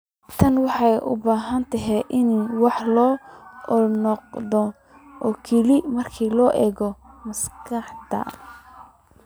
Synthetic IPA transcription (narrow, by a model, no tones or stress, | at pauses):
t̪ʰɐnwɑħɑjʔʊ̰baːɦɐnt̪ʰɐɦɛʔɪnwɑħlɔːɔnɔq̚d̪ɔ | ʔɔːkʰɛlɪmɐrkʰiːlɔːʔɛːɣɔmɐskʰɐħd̪ɐ̰